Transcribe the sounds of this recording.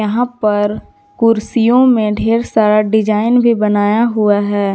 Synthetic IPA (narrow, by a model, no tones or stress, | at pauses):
ɐɦãpɐɾ | kʊɾsijõmẽɖʱeːɾsaːɾaɖɪd͡ʒaːɪnbʱibɐnaːjaɦʊaɦɛː